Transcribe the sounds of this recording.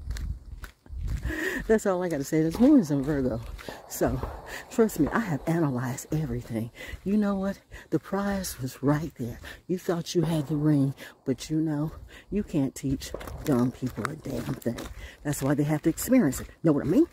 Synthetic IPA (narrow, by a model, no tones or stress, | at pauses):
ðætsɔlˠaɪɡɑtɨseɪɨ̃nɨtsmɔɹɨ̃ŋzɨ̃ɱvɜ˞ɡolˠsoʊtʰɹ̥ʌstmiʔa̰ɪɨvænəlaɪzdɛvɹiθɪ̃ŋjɨnoʊwʌt̪̚ðɨpʰɹ̥aɪswʌzɹaɪt̪̚ðə˞jɨθɔt͡ʃɨɨd̪̚ðɨɹɪ̃ŋb̥ʌt͡ʃɨnoʊjɨkʰæ̃ntʰit͡ʃd̥ʌ̃ŋpʰipl̩ˠə˞dæ̃mθɪ̰̃ŋðætswaɪðeɪɦæftɨɨkspɪɹiɨ̃nsɨt̚ⁿnoʊwʌɾa̰ɪmĩn